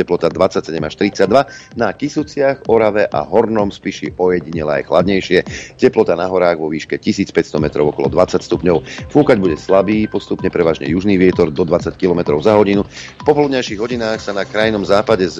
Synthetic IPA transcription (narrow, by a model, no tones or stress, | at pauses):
ɛplɔt̪ad̪ʋat͡sːacsɛɟɛmaʃt̪ɾit͡sad̪ʋanakisut͡sɪaɣɔɾaʋɛʔa̰ɦɔɾnɔmspiʃiɔjɛɟiɲɛlɛa̰jxla̰d̪ɲɛjʃɪɛcɛplɔt̪anaɦɔɾaːɣʋɔʋiːʃkɛcisiːt͡spɛcst̪ɔmɛt̪ɾɔʊɔkɔ̰lɔ̰d̪ʋat͡sacst̪upɲɔʊfuːkaɟbuɟɛslabiːpɔst̪upɲɛpɾɛʋaːʒɲɛ̰juʒniːʋɪɛt̪ɔɾd̪ɔd̪ʋat͡sackilɔmɛt̪ɾɔʊzaɦɔɟinupɔpɔlud̪ɲajʃiɣɦɔɟinaːxsanakɾajnɔmzaːpaɟɛz